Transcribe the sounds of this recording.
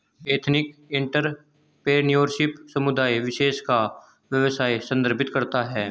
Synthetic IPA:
eːt̪ʰnɪkɪ̃ɳʈəɾ | peːniəɾʃɪpsɐmʊd̪aːiʋɪʃeːʃka | ʋjəʋsaːisɐ̃nd̪əɾpɪt̪kɐɾt̪aɦɛː

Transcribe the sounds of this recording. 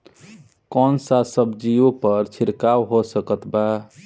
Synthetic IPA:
kɔnsasəbd͡ʒiopəɾt͡ʃʰiɾkawɦosəkət̪ba

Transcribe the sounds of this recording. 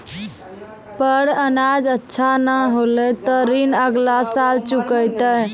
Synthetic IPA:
pəɽənad͡ʒətːʃʰanəɦolet̪ɔɾinəɡlasalt͡ʃukəjt̪ə

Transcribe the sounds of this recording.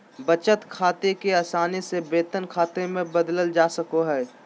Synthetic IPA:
bət͡ʃət̪kʰaːt̪ekeaːsaːnisebeːt̪ənkʰaːt̪emẽbɐd̪ləld͡ʒaːsəkoɦɛː

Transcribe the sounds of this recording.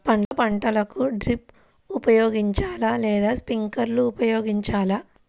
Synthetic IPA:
pɐɳɐpɐɳʈɐlɐkuɖɾip | upɐjoːɡiɲt͡ʃaːlalɛːd̪aːspiŋkɐɾluːpɐjoːɡiɲt͡ʃaːla

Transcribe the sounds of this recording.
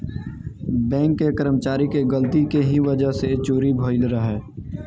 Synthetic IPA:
bɛ̃ːŋkːekəɾəmət͡ʃaːɾikeɡəlt̪ikeɦiʋəd͡ʒəɦset͡ʃoːɾibʱoːɪlɾəɦɛː

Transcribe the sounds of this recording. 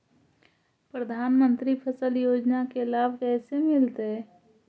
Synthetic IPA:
pɾəd̪ʱaːnmə̃nt̪ɾipʰəsəljoːd͡ʒnakelaːbʱkɛːsemɪlt̪e

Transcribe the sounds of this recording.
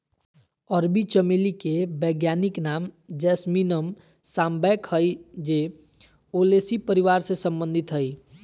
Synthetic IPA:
əɾbit͡ʃəmilikebəɡjaniknamd͡ʒɛsminəm | sambɛkɦəjd͡ʒe | olesipəɾiʋaɾsesəmbə̃nd̪ʱit̪ɦəj

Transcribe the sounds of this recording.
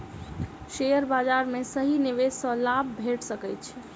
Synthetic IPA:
ʃejəɾbad͡ʒaɾmesəɦiniʋesɔ̃labʱbʱeʈʰsəkɛt͡ʃʰ

